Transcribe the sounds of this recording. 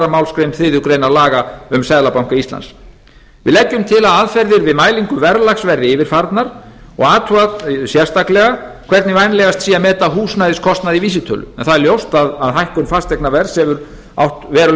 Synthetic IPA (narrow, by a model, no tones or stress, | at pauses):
ɾamawlskɾejnθɪːðʏkɾeːjnalaːɣaʏmsɛðlapawm̥kaist̪la̰ns | vɪ̰ðlɛcːʏmt̪ʰɪlaðaðfɛɾðɪɾvɪðmaːjliŋkʏvɛɾlaxsvɛɾðɪɪvɪɾ̥faɾt̪naɾ | ɔ̰ɣaːt̪ʰuasjɛ̥st̪aklɛɣakʰvɛɾt̪nɪvajnlɛɣast̪siːjamɛːt̪aɦuːsnajðɪskʰɔst̪naðiviːs̬ɪt̪ʰœ̰ːlʏ̰ɛnθaðɛɾljowst̪aðaðɦajhkʏnfast̪ɛknavɛɾsɛvʏɾ | a̰wht̪vɛːɾʏ